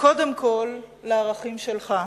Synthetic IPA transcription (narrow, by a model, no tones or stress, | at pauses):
ko̞de̞mkʰo̞lːaaːʁaχimʃelχa